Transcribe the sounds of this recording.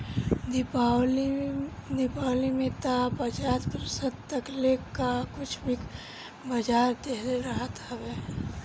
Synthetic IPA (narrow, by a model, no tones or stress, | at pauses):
d̪ɪpal | d̪ɪpalimẽt̪apət͡ʃat̪pɾəsəd̪̚t̪əklekːakʊt͡ʃʰbʱik | bəd͡ʒaːɾd̪eɦleɾəɦət̪ɦɛbe